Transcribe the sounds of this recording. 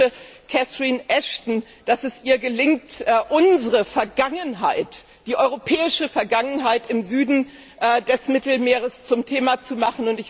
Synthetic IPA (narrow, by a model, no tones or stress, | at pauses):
əkʰɛsʁiːnʔɛʃtn̩ | d̥asɛsʔiːɐɡəlɪŋ̚tʔːʔʊnzəʁəfɛɐɡaŋənɦaɪt | d̥iːʔɔʏʁopʰɛːɪʃəfɛɐɡaŋənɦaɪtɪmzyːdn̩ | ʔːdɛsmɪtl̩meːʁ̞əst͡sʊmtʰeːmat͡sumaχn̩ʊntɪç